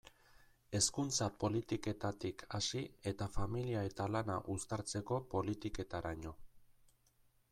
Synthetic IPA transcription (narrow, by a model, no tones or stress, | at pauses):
e̞skunt͡sapo̞lit̪ike̞t̪at̪ikʰasie̞t̪afamiliae̞t̪alana̰ʔust̪aɾt͡se̞ko̞po̞lit̪ike̞t̪aɾaɲo̞